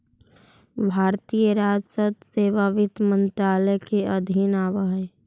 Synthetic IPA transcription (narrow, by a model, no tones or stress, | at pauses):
bʱaːɾt̪iːjəɾaːd͡ʒsət̪seːʋaʋɪt̪mə̃nt̪ɾaːləkeʔɐd̪ʱɪnaːʋaɦ